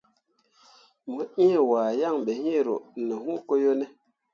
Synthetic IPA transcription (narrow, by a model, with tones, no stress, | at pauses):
mo˨i˦e˨waː˨ja˦˨ŋɓe˨hi˦e˦˨ɾo̰˨no˨ɦu˦ko˦jo˦nɛ˦